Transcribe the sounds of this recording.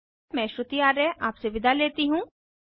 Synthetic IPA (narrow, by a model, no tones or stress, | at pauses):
mɛ̃ːʃɾʊt̪ijaːɾɛːʔaːpseʋɪd̪ʱaleːt̪iɦũː